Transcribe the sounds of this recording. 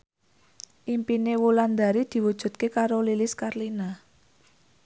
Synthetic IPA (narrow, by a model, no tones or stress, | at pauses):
ʔimpinewuland̪a̤ɾid̪̥i̤wud̥ʒ̥ṳt̪̚kekaɾolilɪskarlina